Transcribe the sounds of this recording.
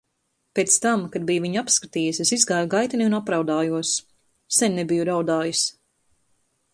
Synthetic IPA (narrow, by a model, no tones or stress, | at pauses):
peːt̪st̪amkad̪̚bijviɲapskat̪iːjisesizɡaːjuɡajt̪iniunapɾawd̪aːjuɔs | sɛnʲnɛbijuɾawd̪aːjis